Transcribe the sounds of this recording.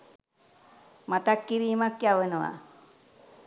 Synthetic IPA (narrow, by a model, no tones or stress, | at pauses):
mat̪akːiɾimakːjaʋənowa̰